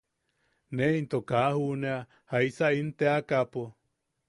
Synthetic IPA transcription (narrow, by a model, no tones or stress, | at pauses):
neint̪okahunea | haisaint̪eakapo